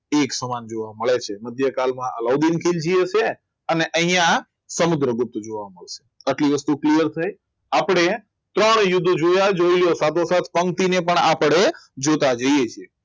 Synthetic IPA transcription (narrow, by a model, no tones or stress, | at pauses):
eksəmand͡ʒoʋaməɭet͡ʃʰeməd̪ʱjəkalmãə̰lɔwd̪inkʰild͡ʒiet͡ʃʰe | əneʔə̃ɦijã | səmud̪ɾəɡʊp̚t̪d͡ʒoʋaməɭʃe̥əʈliʋəst̪uklijəɾt̪ʰəj | apɽ̃e | t̪ɾəɳ̃jʊd̪ʱd͡ʒojad͡ʒoiljosat̪ʰosat̪ʰpəŋt̪inepəɳapɽ̃ed͡ʒot̪ad͡ʒəiet͡ʃʰije